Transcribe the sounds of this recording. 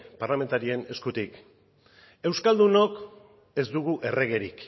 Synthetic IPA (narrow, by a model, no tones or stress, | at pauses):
paɾlame̞nt̪aɾie̞ne̞skut̪ik | e̞wskald̪uno̞k | e̞zd̪uɣuʔe̞re̞ɣe̞ɾik